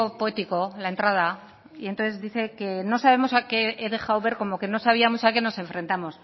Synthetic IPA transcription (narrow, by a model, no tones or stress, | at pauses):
opoe̞t̪iko̞lae̞nt̪ɾað̞a | ient̪oθezðiθe̞ke̞no̞saβ̞e̞mo̞sake̞eðe̞xawβe̞ɾko̞mo̞ke̞no̞saβ̞iamosake̞no̞sẽ̞ɱfɾe̞nt̪amo̞s